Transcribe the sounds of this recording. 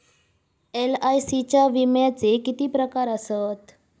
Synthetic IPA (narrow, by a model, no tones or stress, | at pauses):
elajsit͡ɕaʋimjat͡sekit̪ipɾəkaɾəsət̪